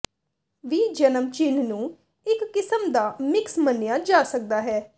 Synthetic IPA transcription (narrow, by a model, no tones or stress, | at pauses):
ʋiːd͡ʒənəmt͡ʃɪnnũː | ɪkːɪsəmd̪aːmɪksmənːɪjaːd͡ʒaːsək̚d̪aːɦɛː